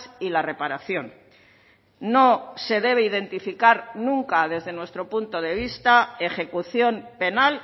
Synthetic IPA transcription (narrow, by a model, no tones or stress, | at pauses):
silare̞paɾaθjo̞n | o̞se̞ðe̞β̞e̞iðe̞nt̪ifikaɾnũŋkaðe̞zðe̞nwe̞st̪ɾo̞punt̪o̞ðe̞β̞ist̪aexe̞kuθjo̞mpe̞nal